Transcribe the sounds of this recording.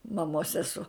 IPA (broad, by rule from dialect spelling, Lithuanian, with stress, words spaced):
mɐˈmoːs sʲɛˈsuɔ